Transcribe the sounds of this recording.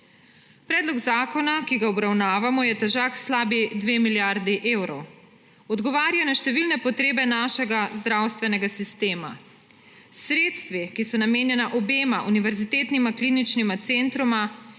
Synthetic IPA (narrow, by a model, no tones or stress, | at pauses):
pɾɛːd̪lɔɡzaːkɔnakiɡaɔbɾawnaːʋamɔjɛt̪ɛʒaːkslaːbid̪ʋeːmiljaɾd̪iʔeːwɾɔw | ɔd̪ɡɔʋaːɾjanaʃt̪ɛʋilnɛpɔt̪ɾeːbɛnaːʃɛɡazd̪ɾawst̪ʋɛnɛɡasist̪eːma̰ | sɾeːt̪st̪ʋikisɔnameːnjɛnaʔɔbeːmaʔuniʋɛɾzit̪eːt̪nimaklinit͡ʃnimat̪sent̪ɾuma